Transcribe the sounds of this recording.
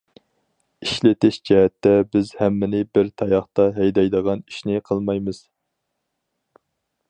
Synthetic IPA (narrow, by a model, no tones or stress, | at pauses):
iʃlɪt̪ɪʃd͡ʒɛɦɛt̪ʰːɛbɪzhɛmːɪnɪbɪɾt̪ʰɑjɑχt̪ɑɦɛjd̪ɑjd̪əʁɑniʃnɪqʰəlˠmɑjmɨz̥